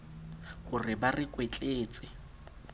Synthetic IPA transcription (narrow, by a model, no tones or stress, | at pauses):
hʊrɪbarɪkʼwet͡ɬʼeːt͡sʼɪ